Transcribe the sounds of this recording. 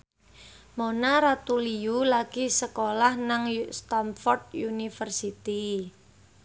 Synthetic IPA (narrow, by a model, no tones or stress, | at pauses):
monaɾat̪uliulaɡ̥isəkolahnaŋst̪amfɔrd̪̚junifərsit̪i